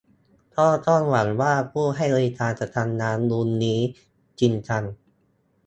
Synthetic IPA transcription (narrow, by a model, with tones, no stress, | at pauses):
t̪ʰɔː˥˩t̪ɔː˥˩nwa˩˦nwaː˥˩pʰuː˥˩ɦa˥˩jɾeː˧kaː˧nsa˧t̪ʰaː˧nːaː˨˦˥nlu˧˥nːiː˦˥ | t͡ɕi˧nt͡ɕa˧n